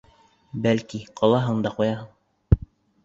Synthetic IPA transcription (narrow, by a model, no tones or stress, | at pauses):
bælkiqʰɑlˠɑɦɤɴd̪ɑqujɑɦɤɴ